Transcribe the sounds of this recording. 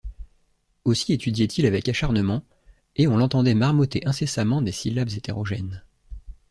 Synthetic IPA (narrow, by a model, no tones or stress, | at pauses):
osiet̪yd̪jɛt̪ʰilavɛkaʃaʁnəmɑ̃ | eɔ̃lɑ̃t̪ɑ̃d̪ɛmaʁmɔt̪eʔɛ̃sesamɑ̃d̪esilabzet̪eʁɔʒɛn